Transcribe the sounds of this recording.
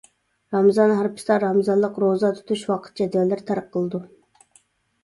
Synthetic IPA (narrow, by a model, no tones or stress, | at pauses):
ɾɑmzɑnɦæɾpʰɨ̥st̪ɑɾɑmɨzɑnlˠəqɾozɑt̪ʰy̥t̪ʰuʃwɑqʰə̥t̪̚d͡ʒɛd̪vɛlːɪɾt̪ʰæɾpqʰːəlˠɨd̪u